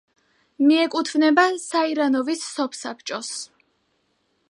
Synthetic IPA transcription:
miɛkʼut̪ʰvnɛbasaiɾanɔvisːɔpʰsapʰt͡ʃʼɔs

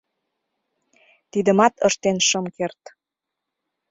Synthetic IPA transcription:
t̪id̪ə̆mɑt̪əʃt̪enʃəmkert̪

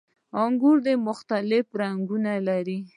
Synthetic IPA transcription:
ɑŋɡuɾd̪emʊxt̪alɪfɾaŋɡunalaɾi

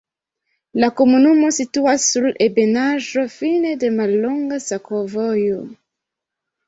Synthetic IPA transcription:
lakomunumosituasulebenaʒofinedemalːoŋɡasakovojo

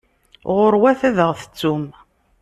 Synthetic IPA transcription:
ʁʊɾwæθæðəʁθə̥t͡sːum

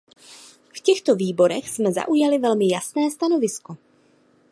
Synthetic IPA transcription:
fcɛxt̪o̞viːbo̞ɾɛxsmɛza̰ʔujalɪvɛlmɪjasnɛːst̪ano̞vɪsko̞

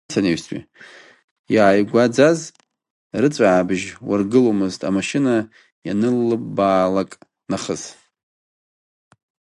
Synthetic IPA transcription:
t͡sʰaneɥstʰʼʷḭ | jaʕajɡʷad͡zaz | rɨt͡sʷʼaʕabɨʒwarɡɨlomɨztʼa̰maʃɪna | janɨlːɨbːaːlakʼ | naχəz̥

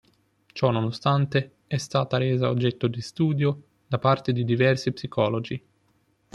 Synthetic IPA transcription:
t͡ʃɔnːonost̪ant̪e | ɛst̪aːt̪aɾeːzaod͡ʒːɛt̪ːod̪ist̪uːd̪jo | d̪apart̪ed̪id̪ivɛrsipsikʰɔːlod͡ʒi

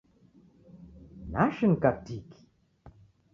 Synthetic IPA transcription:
naʃənkatiki̥

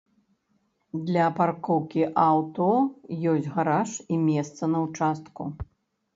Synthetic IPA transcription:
d̪lʲɐparkɔwkʲiʔawt̪ɔjɔsʲtʲɣaɾaʂimʲɛst̪sɐnɐwt͡ʂast̪kṵ

